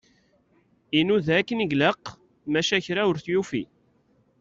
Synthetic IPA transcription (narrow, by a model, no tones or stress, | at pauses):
inuðækːəniɡləq | mæʃæçɾaʊɾθjufḭ